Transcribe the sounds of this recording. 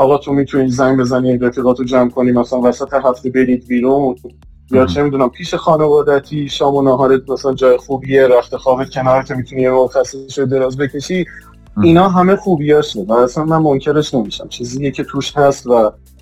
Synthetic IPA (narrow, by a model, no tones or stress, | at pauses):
ʔɒːɣɒːt̪ʰomit̪ʰuniːzæŋbe̞zæninɾefʰiɣɒːt̪ʰod͡ʒæmkʰo̞niːmæsælænvæsæt̪ʰe̞ɦæft̪e̞be̞ɾiːd̪̚biːɾuːn | jɒːt͡ʃʰe̞miːd̪uːnæmpʰiːʃe̞xɒːne̞vɒːd̪æt̪ʰiːʃɒːmonɒːɦɒːɾemæsælænd͡ʒɒːjexuːbiːe̞ɾæft̪ʰe̞xɒːbed̪̚cʰe̞nɒːɾecʰe̞miːt̪ʰunijemoɣxæsːeseʃod̪e̞ɾɒːzbe̞cʰe̞ʃi | inɒːɦæme̞xuːbijɒːʃevæːsænmænmo̞ŋcʰe̞ɾe̞ʃne̞miʃæ̰mt͡ʃʰiːzijecʰe̞t̪ʰuːʃhæst̪væ